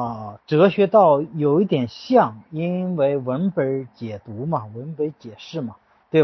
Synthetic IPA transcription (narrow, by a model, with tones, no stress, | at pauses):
ʈ͡ʂ̩ɤ˧˥˩ɕɥɛ˧˥t̪ɑ˥˩ʊjo˨˩ʊi˥˩t̪jɛ˨˩nɕjɑ˥˩ŋi˥nwe˥˩ɪwə˧˥npe˧˥t͡ɕjɛ˨˩t̪u˧˥mɐ˨wə˧˥npe˧˥t͡ɕjɛ˨˩ʂɻ̩˥˩mɐ˩ | tt̪we˥˩ɪ